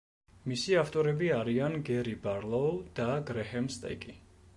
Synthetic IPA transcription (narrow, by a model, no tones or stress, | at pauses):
misiaft̪ʼɔɾɛbiaɾianɡɛɾibaɾlˠɔud̪̥aɡɾɛhɛmst̪ʼɛ̰kʼi